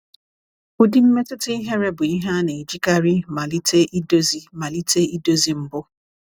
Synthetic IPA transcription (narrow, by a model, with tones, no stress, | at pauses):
ʊ˦dɪ˦m̩˦me˦tʊ˦tɪ˦i˦ɦe˦ɾe˦bʊ˨i˦ɦa˦ne˨d͡ʒi˦ka˦ɾi˦ma˨li˦te˦ʔi˦do˦zi˦ma˨li˦te˦i˦do˦zi˨m̩˦bʊ˦